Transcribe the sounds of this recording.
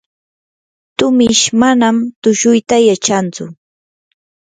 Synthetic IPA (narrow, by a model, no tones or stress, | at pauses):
t̪ʊmɪʃmanamt̪ʊʃʊjt̪ajat͡ʃant͡sʊ̰